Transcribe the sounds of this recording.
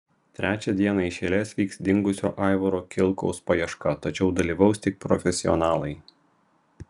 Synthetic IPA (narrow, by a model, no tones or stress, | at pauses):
t̪ʲɾʲʔæːt͡ʃʲɛd̪ʲiɛnɐɪʃʲeːlʲeːsʲʋʲiːksd̪ʲɪŋɡʊsʲo̰ːʔɑˑɪʋɔɾoːkʲɪlˠˑkɔ̰ʊspɐjɛʃkɐt̪ɐt͡ʃʲɛʊd̪ɐlʲiːʋɐʊsʲt̪ʲɪk̚pɾɔfʲɛsʲɪɔ̰nɑːlˠɐɪ